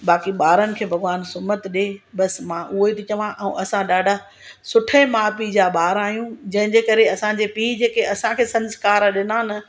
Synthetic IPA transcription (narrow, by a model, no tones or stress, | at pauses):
ɓaːkiɓaːɾənɪ̆kʰeːbʱɐɡʋaːnsʊmət̪ɗeːɓɐsmãʔʊɦoit̪it͡ɕɐʋãʔɛ̃ũʔɐsãɗaːɖʱa | sʊʈʰəmaːpid͡ʑaːɓaːɾaːɦijũd͡ʑɐ̃ɦɪ̃ɲd͡ʑeːkɐɾeɐsãd͡ʑeːpiːd͡ʑeːkeɐsãkʰeːsɐ̃nskaːɾɗɪnaːn